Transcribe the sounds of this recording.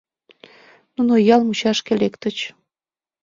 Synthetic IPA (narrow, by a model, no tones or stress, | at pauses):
nunojɑlmut͡ɕɑʃkelekt̪ə̆t͡ɕ